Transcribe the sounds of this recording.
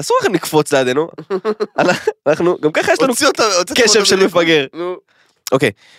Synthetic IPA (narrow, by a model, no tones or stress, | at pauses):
asuʁaχunikfo̞t͡slead̪e̞nu | ananaχnuɡamkaχajeʃlanuot̪aoikeʃevvʃelmefaɡe̞ʁn | ʔo̞kḛj